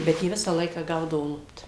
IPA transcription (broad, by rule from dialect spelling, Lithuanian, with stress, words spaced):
ˈbʲɛt jiɛ ˈʋʲɪsɑː ˈlˠɐɪkɑː ˈɡɐʊdɐʋoː ˈlˠʊpt